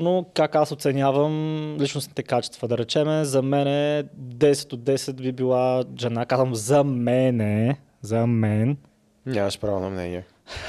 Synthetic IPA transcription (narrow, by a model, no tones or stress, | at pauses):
nokakasot̪sɛnʲjavəmlit͡ʃnʊsnit̪ɛkat͡ʃɛ̥st̪vəd̪ɐɾɛt͡ʃɛmɛzɐmɛnɛd̪ɛsɛ̥t̪od̪ːɛsɛt̪bibilˠaʒɛnakazvəmzɐmɛnɛ | zɐmɛn | ɲʲamɐʃpɾavonɐ̰mnɛ̰niɛ